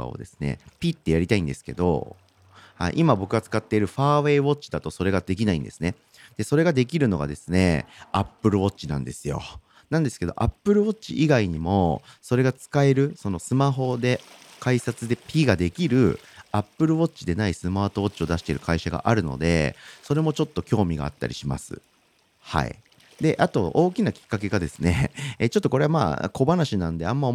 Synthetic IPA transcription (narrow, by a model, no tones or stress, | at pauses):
a̰o̰d̪e̞̰sɨ̥ne̞̰pʲit̪ːe̞jaɾʲit̪aĩnd̪e̞sɨ̥ke̞d̪o̞̰ | ha̰ḭʔimabo̞kɯ̟ɡat͡sɨ̥kat̪ːe̞iɾɯ̟ɸaːβe̞ːβo̞t͡ɕi̥d̪at̪o̞so̞ɾe̞ɡad̪e̞kʲinaḭ̃nd̪e̞sɨ̥ne | d̪̥e̞so̞ɾe̞ɡad̪e̞k̬ʲiɾɯ̟no̞ɡa̰d̪e̞sɨne̞̰apːɯ̟ɾɯ̟βo̞t͡ɕinã̰nd̪e̞sɨjo̞̰ | nãnd̪e̞sɨ̥ke̞d̪o̞ʔapːɯ̟ɾɯ̟βo̞t͡ɕḭʔiɡaiɲ̟imo̞̰so̞ɾe̞ɡat͡sɨ̥kae̞ɾɯ̟so̞no̞sɨmaɦo̞d̪e̞kaisat͡sɨd̪e̞pʲiːɡad̪e̞kʲiɾɯ̟̰apːɯ̟ɾɯ̟βo̞t͡ɕːid̪e̞naisɨmaːt̪o̞o̞t͡ɕio̞d̪aɕi̥t̪e̞ɾɯ̟kʰaiɕaɡa̰ʔaɾɯ̟no̞̰d̪e̞̰so̞ɾe̞mo̞t͡ɕo̞t̪ːo̞kʲo̞ːmʲiɡa̰a̰t̪ːa̰ɾʲḭɕima̰sɨ̰ | ha̰ḭ | d̪e̞ʔat̪o̞ʔo̞ːkʲinakʲi̥kːak̬e̞ɡad̪e̞sɨ̥ne̞t͡ɕot̪ːoko̞ɾe̞ama̰ːko̞banaɕinãnd̪e̞amːao